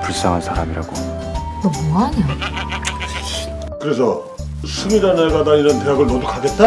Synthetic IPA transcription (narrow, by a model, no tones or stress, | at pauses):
puɭs͈aŋɦansʰaɾamiɾa̰ɡo | nʌmoaɲo | kɯɾe̞sʰʌ | sʰuɡid͡ʑaneɡadaiɾʌnte̞ɦaɡɯɭnodukʰaɡe̞t̚t͈a